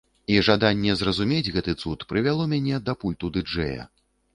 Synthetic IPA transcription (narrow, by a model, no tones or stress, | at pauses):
iʐad̪anʲːɛzrɐzumʲed͡zʲɣɛt̪ɨt̪sut̪pɾɨvʲalˠɔmʲanʲɛd̪ɐpulʲt̪ud̪ɨd͡ʐɛ̰jɐ̰